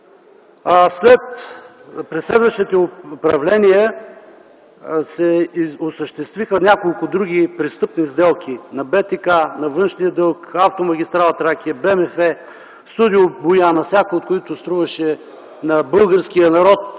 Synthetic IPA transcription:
slɛt̪ | pɾɛslɛd̪vɐʃt̪it̪ɛpɾɐvlɛniɛ | sɛʊsəʃt̪ɛst̪vixənʲakolˠkʊd̪ɾuɡʲipɾist̪ɤpnizd̪ɛlˠkʲinɐbɛt̪ikanɐvɤnʃnijəd̪ɤlˠkaft̪omɐɡʲist̪ɾalˠɐt̪ɾak̟ʲiəbɛmɛfɛ | st̪ud̪iʊbʊjanɐfsʲakoot̪̚kʊit̪ʊst̪ɾuvɐʃɛ | nɐbɤlˠɡəɾsk̟ijənɐɾɔt̪̚

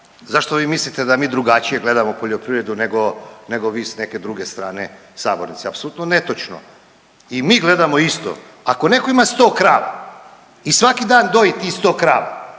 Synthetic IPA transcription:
zaʃt̪oʋiːmislit̪e̞d̪amiːd̪ɾuɡat͡ʃije̞ɡle̞d̪amopo̞ʎopɾiʋɾe̞d̪uneɡo̞ne̞ɡoʋiːsne̞ke̞d̪ɾuɡe̞st̪ɾaːne̞ | saːbo̞̰ɾnit̪seapsolut̪nonet̪ot͡ʃno̰ | imiːɡle̞d̪amo̞ist̪o̰ | ako̞ne̞ko̞imast̪oːkɾaːʋa̰ | isʋakid̪aːnd̪o̞it̪ist̪oːkɾa̰ːʋa̰

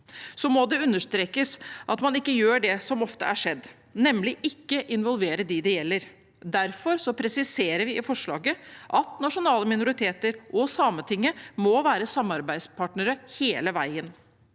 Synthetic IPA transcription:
sɔmɔd̪ɛʉnːəʂt̪ɾeːkəsʔɑt̪mɑnɪkːəjøːɖɛsɔmɔft̪ə̰ʔæʂɛd̪ː | nɛmlɪʔɪkːəʔɪnʋɔlʋeːɾəd̪ɛd̪ɛjɛlːəɾ | d̪æɾfɔɾsɔpʰɾɛsɪseːɾəɾʋɪɪfɔʂɭɑ̰ːɡəʔɑt̪nɑʂʊnɑːləmɪnʊɾɪt̪ʰeːt̪əɾʔɔsɑːmət̪ʰɪŋːəmoʋæːɾəsɑmɑɾbæɪd̪spʰɑːʈnəɾəheːləʋæɪən

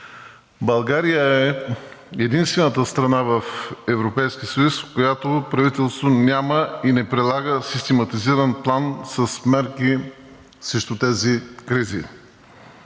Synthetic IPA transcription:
bɐlˠɡaɾijəɛ | ɛd̪inst̪vɛnət̪əst̪ɾɐnavɐfɛvɾopɛjskʲiəsəjuskojat̪opɾɐvit̪ɛlˠst̪vonʲaməinɛpɾɛlˠaɡəsist̪ɛmɐt̪iziɾənplˠansɐsmɛɾki | sɾɛʃt̪ut̪ɛzikɾizḭ

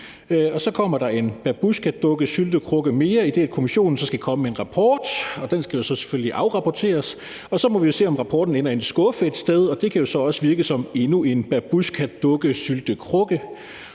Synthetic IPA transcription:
ɒ̽sɒ̽kʰɒ̽m̰ɐd̥ɑ̈e̝nb̥æb̥uskʰæd̥ɔ̽ɡ̥əsyld̥əkʰʁɔ̽ɡ̥əme̝ːɐide̝æd̥̚kʰo̝miɕo̝̰ːn̩sɒ̽sɡ̥ækʰɒ̽məmeenʁɑ̈pʰɒ̰ːd̥ɒ̽d̥ensɡ̥æjo̝sɒ̽se̥følliʔɑ̈ʊʁɑ̈pʰɒt͡sʰe̝̰ːɐs | ɒ̽sɒ̽mɒʋijo̝se̝̰ːɒ̽mʁɑ̈pʰɒ̰ːd̥n̩en̰ɐe̝nsɡ̥ɔ̽fəe̝d̥sd̥eð̞ˠɒ̽d̥e̝kʰæjo̝sɒ̽ɒ̽səʋiɐɡ̥əsɒ̽me̝nue̝nb̥æb̥uskʰæd̥ɔ̽ɡ̥əsyld̥əkʰʁɔ̽ɡ̥ə

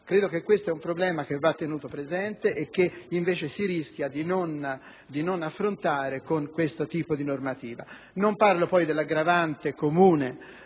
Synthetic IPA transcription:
kɾeːd̪okekːwest̪oɛumpɾoblɛːmak̟evːat̪ːenuːt̪opɾezɛnt̪eʔek̟ːeiɱveːt͡ʃesiɾisk̟jad̪inon | d̪inonafːɾont̪aːɾekoŋkwest̪ot̪iːpod̪inormat̪iːva | nomparlopɔjd̪elːaɡɾavant̪ekomuːne

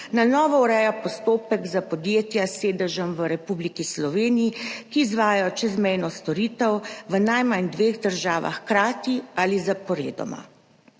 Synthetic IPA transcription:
nanɔːʋɔuɾɛjapɔst̪oːpəɡzapɔd̪jeːt̪jaseːd̪əʒəmʋəɾɛpublikislɔʋeːnijikiːzʋaːjajɔt͡ʃɛzmɛjnɔst̪ɔɾiːt̪əwʋənajmand̪ʋeːɣd̪əɾʒaːʋa̰xkɾaːt̪ializapɔɾḛːd̪ɔ̰ma̰

